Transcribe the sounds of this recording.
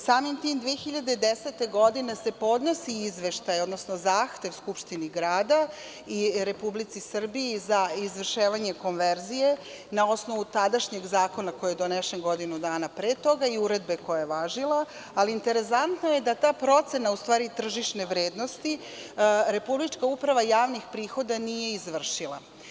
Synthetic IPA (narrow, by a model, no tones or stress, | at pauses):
saːmimt̪iːmd̪ʋiexiʎad̪ed̪eset̪e̞ɡo̞d̪ine̞se̞po̞d̪no̞siːzʋe̞ʃt̪ajod̪no̞sno̞zaːxt̪e̞ʋskupʃt̪iniɡɾaːd̪a | iɾe̞publit̪sisr̩biːzaizʋr̩ʃeːʋaɲe̞ko̞nʋeɾzije̞ | nao̞snoʋut̪ad̪aʃɲe̞ɡzaːko̞nako̞jjed̪oneʃenɡo̞d̪inud̪aːnapɾeːt̪o̞ɡaiuɾe̞d̪be̞ko̞jajeʋaːʒilˠaː | liːnt̪e̞ɾe̞sant̪naje̞d̪at̪aːpɾo̞t̪se̞naust̪ʋaːɾit̪r̩ʒiʃne̞ʋɾe̞ːd̪no̞st̪i | ɾe̞publit͡ʃkaupɾaʋajaːʋnixpɾiːxo̞d̪anije̞izʋr̩ʃilˠa̰